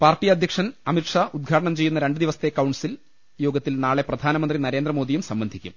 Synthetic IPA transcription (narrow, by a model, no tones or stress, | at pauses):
paːrʈijɐd̪ʱjɐkʂɐnɐmiʈʂaud̪̚ɡʱaːʈɐɳɐmt͡ɕe̞jːunːɐɾe̞ɳɖɨd̪iʋɐsɐ̥t̪ːekɐwɳsil | joːɡɐt̪ːilnaːɭe̞prɐd̪ʱaːnɐmɐnd̪rinɐɾe̞ːnd̪rɐmo̞ːd̪ijumsɐmbɐnd̪ʱikʲːṵm